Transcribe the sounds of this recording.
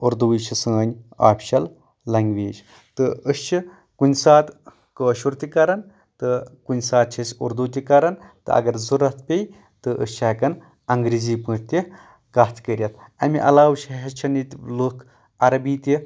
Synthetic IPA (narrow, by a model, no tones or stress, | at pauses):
uɾd̪uit͡ʃʰisə̃ːnʲa̰ːpʰʲʃɐl | lɐŋɡʋeːd͡ʒ | t̪ɨəst͡ʃʰi | kunʲsaːt̪ | kəːʃuɾt̪ʲikɐɾɐn | t̪ɨkunʲsaːt̪̚t͡ʃʰisʲṵɾd̪uːt̪̬ʲikɐɾɐnt̪ɨ̰ɐ̰ɡɐɾzuɾɐt̪pʲej | t̪ɨʔɨ̰st͡ʃʰɐkɐn | ɐŋɡɾiːziːpɨ̃ːt̪ʰt̪ʲi | kɐht̪ʰkəɾʲjɐt̪ʰɐ̰miʔɐ̰laːwt͡ʃʰɦɐt͡ʃʰɐnit̪lukʰ | ɐɾɐbiːt̪ʲi